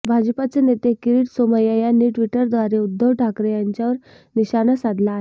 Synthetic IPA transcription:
bʱad͡ʑpat͡senet̪ekiɾiːʈsoməjajanːiʈʋiʈəɾd̪ʋaɾeud̪ːəʋʈʰakɾjaɲt͡ɕjaʋəɾ | niɕanəsad̪laɦe

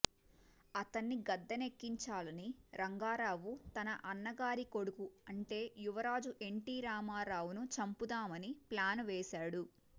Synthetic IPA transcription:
ɐt̪ɐnːiɡɐd̪ːɐne̞kːiɲt͡ʃaːlɐniɾɐŋɡaːɾaːʋut̪ɐnɐʔɐnːɐɡaːɾiko̞ɽukuɐɳʈe̞ːjuʋɐɾaːd͡ʒuʔe̞ɳʈiːɾaːmaːɾaːʋunut͡ʃɐmpud̪aːmɐniplaːnʋɛːsaːɽu

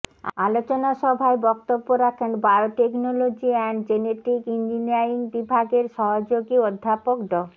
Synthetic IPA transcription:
a̰lot͡ɕonaʃɔbʱaebɔk̚t̪obːoɾakʰenbajoʈeknolod͡ʑiɛɳd͡ʑeneʈɾikind͡ʑiniaɾiŋbibʱaɡeɾʃɔɦod͡ʑoɡiod̪ʱːapokd̪ɔ

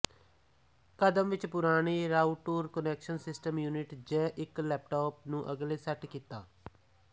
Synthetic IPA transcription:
kəd̪əmʋɪt͡ʃpʊɾaːɽ̃iːɾaːuʈoːɾkənɛːkʃənsɪsʈəmjuːnɪʈd͡ʒɛːʔɪklɛːp̚ʈoːpnũːʔəɡleːsəʈkiːt̪a̰ː

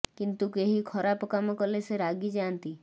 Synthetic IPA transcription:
kint̪ukeɦikʰɔɾapɔkamɔkɔleseɾaɡid͡ʒant̪i

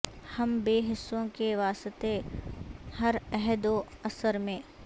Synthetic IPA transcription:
hɐmbeːɦɪsːõkeʋaːst̪e | hɐɾɛɦd̪oɐsəɾmẽː

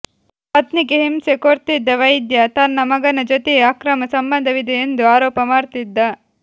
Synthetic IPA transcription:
pɐt̪nikeɦimsekoɾt̪id̪ːɐʋɐjd̪jɐt̪ɐnːɐmɐɡɐnɐd͡ʒot̪eeaːkɾɐmɐsɐmbɐnd̪ʱɐʋid̪ʱɐjend̪uaːɾɔːpɐmaːɾt̪id̪ːɐ

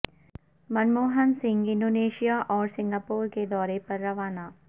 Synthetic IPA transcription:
mɐnmoːɦənsɪ̃ŋɡɪ̃nɖoːneːʃijaʔɔːɾsɪ̃ŋɡapuːɾked̪ɔːɾepɐɾːɐʋaːnaː

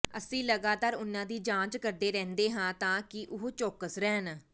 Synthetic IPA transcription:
əsĩːləɡaːt̪aːɾʊnːãːd̪iːd͡ʒãːt͡ʃkəɾd̪eːɾɛ̃ːnd̪eːɦãːt̪ãːkɪʔʊɦoːt͡ʃoːkəsɾɛːn

